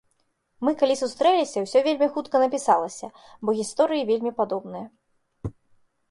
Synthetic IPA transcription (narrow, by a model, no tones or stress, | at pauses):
mɨkalʲisust̪ɾɛlʲisʲɐwsʲɔvʲelʲmʲixut̪kɐnɐpʲisalˠɐsʲɐ | bɔɣʲist̪ɔɾɨjivʲelʲmʲipad̪ɔbnɨjɐ